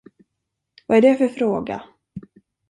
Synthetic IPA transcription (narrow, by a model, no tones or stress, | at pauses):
vaæɖɛfœɾfɾoːɡa̰